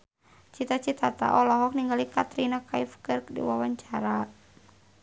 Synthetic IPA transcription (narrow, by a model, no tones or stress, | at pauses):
t͡ʃit̪at͡ʃit̪at̪a̰ʔɔlɔɦɔk̚niŋɡalikat̪ɾinakaifkərkdḭwawaɲt͡ʃaɾa